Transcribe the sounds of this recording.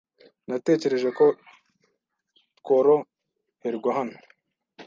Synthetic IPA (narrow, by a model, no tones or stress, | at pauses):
nate̞ːce̞ɾe̞ʒe̞ko | koɾo | heɾiɡwaɦano̥